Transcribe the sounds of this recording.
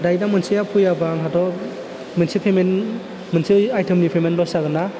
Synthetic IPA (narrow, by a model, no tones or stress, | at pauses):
dajdamɯnsijapʰujabaŋɦʰatɔ | mɯnsipʰemen | mɯnsiajtʰɯmnipʰemenlɔsaɡɯna